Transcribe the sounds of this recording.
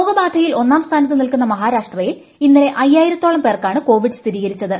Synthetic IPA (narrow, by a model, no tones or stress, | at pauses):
oːɡɐbaːd̪ʱɐjilo̞nːaːmst̪ʰaːnɐt̪ːɨnilkunːɐmɐɦaːɾaːʂʈrɐjil | inːɐle̞ʔɐjːaːjiɾɐt̪ːoːɭɐmpeːrkaːɳɨko̞ːʋiɖɨst̪ʰiɾiːɣɐɾit͡ɕːɐðɨ